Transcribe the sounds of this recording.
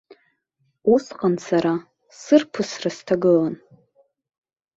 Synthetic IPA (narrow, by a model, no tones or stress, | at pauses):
usqʼansaɾa | sɨrpʰɨsrastʰaɡɨlan